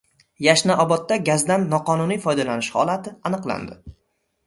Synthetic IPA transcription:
jaʃnaʔɒbɒt̪ːaɡʲazd̪anːɒqɒnʊnijfɒjd̪alanɪʃhɒ̰lˠat̪ʰɪanɨqlˠa̰nd̪ɪ

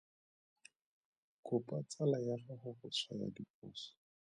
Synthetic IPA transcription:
kʊpʼat͡sʼalajarɔχʊχʊt͡sʰwaja̰dipʼʊːsɔ̥

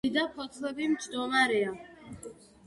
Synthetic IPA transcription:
id̪akʰɔt̪ʰlɛbimd͡ʒd̪ɔmaɾɛa

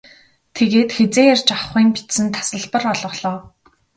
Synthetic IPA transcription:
t̪ʰeɣeːt̪xet͡seːarʲt͡ɕaχiːmpi̥t̪sɘ̆nt̪ʰḁsə̆ɮpə̆rɔɮʁɞ̆χɮɔː

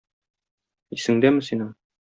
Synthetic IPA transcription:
isɘ̆ŋd̪æmɘ̆sinɤɴ

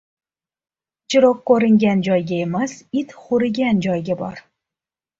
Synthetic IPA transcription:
t͡ʃʰɪɾɒkkːoɾɪŋɡʲand͡ʒɒjɡʲaemasɪt̪χʊɾɪɡʲand͡ʒɒjɡʲabɒ̰ɾ

